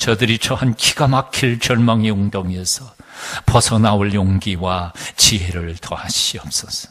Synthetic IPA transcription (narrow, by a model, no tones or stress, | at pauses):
t͡ɕʌdɯɾit͡ɕʌhankʰiɡ̥amakʰiɭt͡ɕʌɭmaŋeuŋdoŋesʰʌpʌsʰʌnaoɭjoŋɡiwat͡ɕiɦeɾɯɭtʰʌhaɕiʌp̚s͈ʌsʌ̥